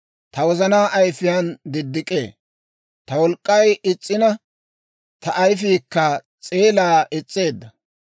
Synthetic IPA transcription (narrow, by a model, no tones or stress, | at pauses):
t̪ɐwɔzɐnaːʔɐjfɪjand̪ɪd̪ːɪkʼḛː | t̪ɐwɔlkʼːɐjɪt͡sʼːɪnɐ | t̪ɐʔːjfiːkːɐ | t͡sʼe̞ːlaːʔɛt͡sʼːeːd̪ːɐ